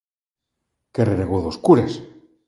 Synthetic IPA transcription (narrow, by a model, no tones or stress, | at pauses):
kereɾeɣoðoskuɾes